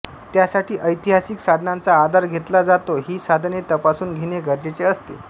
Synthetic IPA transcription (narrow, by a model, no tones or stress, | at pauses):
t̪jasaʈiːʔəjt̪iɦasiksad̪ʱnant͡saːd̪ʱaɾɡʱet̪lad͡zat̪oɦiːsad̪ʱnet̪əpasuːnɡʱeɽ̃eɡəɾd͡ʑet͡seəst̪ḛ